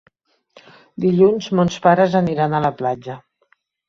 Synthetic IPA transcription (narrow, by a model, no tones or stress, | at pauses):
d̪iʎunzmonspaɾəzəniɾanələplad͡ʒə